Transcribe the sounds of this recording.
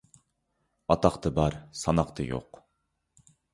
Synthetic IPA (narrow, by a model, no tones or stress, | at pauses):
ɑt̪ɑqt̪ʰɨbɑɾsɑnɑqt̪ʰɨjo̰q